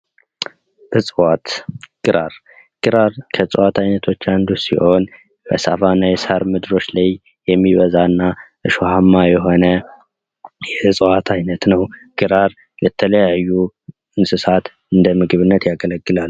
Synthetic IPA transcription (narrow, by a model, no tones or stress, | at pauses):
ʔɨsʼɨwat̪ɡ̥ɨɾaɾ | ɡ̥ɨɾaɾkʰəsʼɨwat̪ʰajnət̪ʰo̞t͡ʃːand̪usḭho̞n | bəsa̰fanːajɛsaɾmɨd̪ɨɾo̞t͡ʃːlaj | jɛmːiβəzanːaʔɨʃohamːajɛɦo̞nə | jɛsʼəwat̪ʰajnət̪nəwɡ̥ɨɾaɾ | lɛt̪ʰələjajːu | ɨnsɨsat̪ | ɨnd̪əmɨɡɨβɨnːət̪jaɡələɡːɨlal